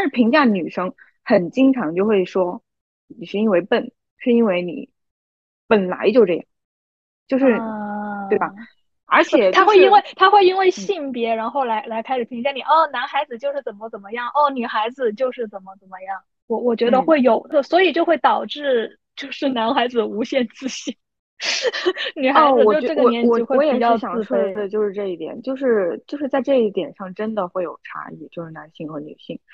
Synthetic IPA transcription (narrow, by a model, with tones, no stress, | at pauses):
a˥˧nʂɻ̩˥˩pʰi˧˥ŋt͡ɕja˥˩ny˨˩ʂɤ˥ŋ | xə˨˩nt͡ɕi˥ŋʈ͡ʂʰɑ˧˥ŋt͡ɕjo˥˧ʊxwe˥˩ɪʂwɔ˥ | ni˨˩ʂɻ̩˥˩i˥nwe˧˥˩ɪpə˨˩n | ʂɻ̩˥˩i˥nwe˥˩ɪnḭ˨˩˦ | pə˨˩nla̰˧˥ɪt͡ɕjo˥˧ʊʈ͡ʂɤ˥˩jɑ˨˩˦ŋ | t͡ɕjo˥˧ʊʂɻ̩˥˩t̪we˥˩ɪbɐ˩ | ə˞˧˥t͡ɕʰɛ˨˩t̪ʰa˥˧xwe˥˩ɪi˥nwe˥˩ɪt̪ʰa˥xwe˥˩ɪi˥nwe˥˧ɪɕi˥˩ŋpjɛ˧˥ɻa˧˥nxo˥˩ʊla˧˥ɪla˧˥ɪkʰa˥ɪʂɻ̩˨˩pʰi˧˥ŋt͡ɕja˥˩ni˨˩ʔɔ˥˩na˧˥nxa˧˥ɪd͡zɹ̩˨˧t͡ɕjo˥˧ʊʂɻ̩˥˩t͡sə˨˩mə˦t͡sə˨˩nmə˦jɑ˥˩ŋʔɔ˥˩ny˨˩xa˧˥ɪd͡zɹ̩˨t͡ɕjo˥˧ʊʂɻ̩˥˩t͡sə˨˩nmə˦t͡sə˨˩nmə˦jɑ˥˩ŋ | wɔ˧˩wɔ˨˩t͡ɕɥɛ˧˥d̪ə˧xwe˥˩ɪjo˨˩ʊd̪ə˥˩swɔ˧˥i˨˩t͡ɕjo˥˧xwe˥˩ɪt̪ɑ˨˩ʊʈ͡ʂɻ̩˥˩˧ | t͡ɕjo˥˧ʊʂɻ̩˥˩na˧˥nxa˧˥ɪd͡zɹ̩˩u˧˥ɕjɛ˥˧nt͡sɹ̩˥˧ɕi˥˩ŋ | ny˨˩xa˧˥w̩˨˧ɔ˨˩o˥˧ʈ͡ʂɤ˥˩ɡə˩jɛ˥n˥˧˥xwe˥˩ɔ˧˥jɛ˨˩t͡ɕjɑ˥˧ʊ˧˩jɑ˨˩ŋ̩ʰ˥˧u˥˧˥e˥˩˧t͡ɕjo˥˧ʊʂɻ̩˥˧ʈ͡ʂɤ˥˧i˥˩t̪jɛ̰˨˩nt͡ɕjo˥˧ʊʂɻ̩˥˧t͡ɕjo˥˧ʊʂɻ̩˥˧t͡sa˥˧ɪʈ͡ʂɤ˥˧i˥˩t̪jɛ˨˩nʂɑ˥˩ŋʈ͡ʂə˥nd̪ə˨xwe˥˩ɪjo˨˩ʊʈ͡ʂʰa̰˧˥ḭ˥˩t͡ɕjo˥˧ʊʂɻ̩˥˩na˧˥nɕi˥˩ŋxɤ˧˥ny̰˨˩ɕi˥˩ŋ